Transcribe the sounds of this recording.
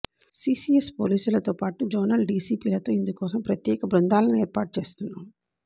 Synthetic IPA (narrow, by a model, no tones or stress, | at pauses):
siːsiespoːliːsulɐt̪oːpaːʈud͡ʒoːnɐlɖiːsiːpiːlɐt̪o̞ːind̪ukɔːsɐmpɾɐt̪jɛːkɐbɾund̪aːlɐnueːɾpaːʈ̚t͡ʃe̞ːst̪unːam